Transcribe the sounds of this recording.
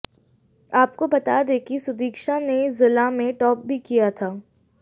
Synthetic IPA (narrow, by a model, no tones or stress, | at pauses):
aːpkobɐt̪ad̪eːkisʊd̪iːkʃanezɪlamẽʈɔːp̚bʱikijat̪ʰaː